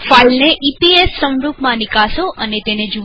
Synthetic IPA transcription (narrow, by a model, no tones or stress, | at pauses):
failneʔipiesːə̃w̃ɾupmãnɪkasoʔənet̪ened͡ʒu